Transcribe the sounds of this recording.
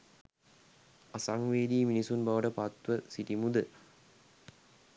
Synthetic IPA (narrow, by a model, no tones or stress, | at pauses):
ɐsaŋʋeːd̪iːminisunbɐʋɐɖɐpat̪ʋəsiʈimud̪ə